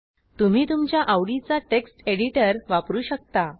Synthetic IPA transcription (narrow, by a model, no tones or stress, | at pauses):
t̪um̤iːt̪umt͡ɕjaʔaʋɽit͡saʈeksʈeɽiʈəɾʋapɾuːɕək̚t̪a